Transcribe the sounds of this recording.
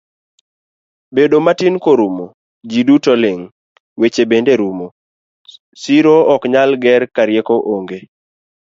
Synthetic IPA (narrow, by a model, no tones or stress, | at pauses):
bedomatɪnkoɾumo | d͡ʒidutɔlɪŋ | wet͡ʃebendeɾumo | siɾoɔkɲalɡɛɾkaɾjekoʔoŋɡe